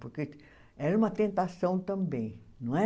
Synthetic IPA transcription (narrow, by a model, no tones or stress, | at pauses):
poɾke | ɛɾɐũmɐt̪ẽnt̪asɐ̃w̃t̪ɐ̃mbẽj̃ | nɐ̃w̃ɛ